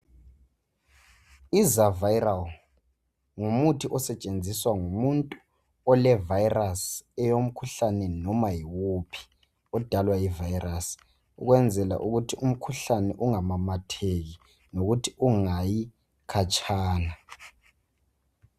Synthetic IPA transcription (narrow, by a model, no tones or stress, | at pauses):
izavajral | ŋumutʰiʔɔsɛt͡ʃʼend͡zʱiswaŋumuntʼu | ɔlɛvajrasɛjom̩kʰuɬanɛnɔmajiwupʰi̥ | ɔd̥ʱalwaivajiras | ṵɣwɛnd͡zʱɛla̰ʔuɣutʰium̩kʰuɬanɛʔuŋamamatʰeɣi | noɣutʰi̥uŋaji | kʰat͡ʃʼaːna